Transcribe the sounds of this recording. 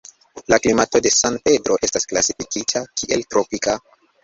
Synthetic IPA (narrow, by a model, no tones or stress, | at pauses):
laklimato̞de̞sanpe̞dɾo̞ʔe̞stasklasifikitʰakʰiʔe̞ltɾopika